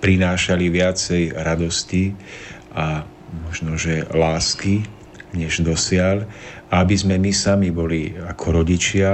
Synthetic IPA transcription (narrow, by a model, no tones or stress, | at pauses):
pɾinaːʃaliʋɪat͡sɛjɾad̪ɔsciʔa | mɔʒnɔʒɛlaːski | ɲɛʒd̪ɔsɪalaabizmɛmisamibɔliakʰɔɾɔɟit͡ʃɪa